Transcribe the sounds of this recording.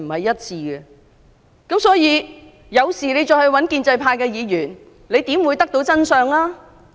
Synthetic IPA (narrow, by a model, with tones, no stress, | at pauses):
m̩˨˩hɐ˨jːɐ˥t̚t͡sʰiː˧ɡɛ˧ | kɐ˨˥msɔː˨˥jiː˨˧ | jɐ˨˧wsiː˨˩le˨˧jt͡ʃɔː˧jhɵ˧ɥwɐ˨˥nkiː˧nt͡sɐ˧jpʰaː˧jkɛː˧jiː˨˧jyː˨˩n | le˨˧jt̪iː˨˥mwuː˨˧jt̪ɐ˥k̚t̪o˧˥wt͡sɐ˥nsœː˨˧ŋlaː˥